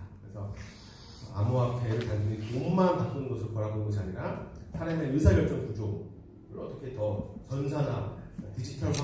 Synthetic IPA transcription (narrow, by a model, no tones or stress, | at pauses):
kɯɾesʰʌ | a̰muɦapʰe̞ɾɯɭtaŋsʰuŋikomantat͈ɯnɯnɡʌsʰɯɾokʌɾabonɯnŋɡʌɕ̬ʰiaɲiɾasʰaɾenenɯsʰajʌɭ̚t͡ɕ͈ʌŋkud͡ʑoŋ | ɯɾʔʌt͈ʌkʰe̞tʌt͡ɕʌnsʰanatid͡ʑitʰʌa